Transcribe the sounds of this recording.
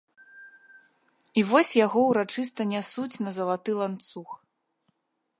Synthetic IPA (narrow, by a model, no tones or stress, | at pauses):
ivɔsʲjaɣɔwɾat͡ʂɨs̬t̪ɐnʲasut͡sʲnɐzɐlˠat̪ɨlˠant̪sux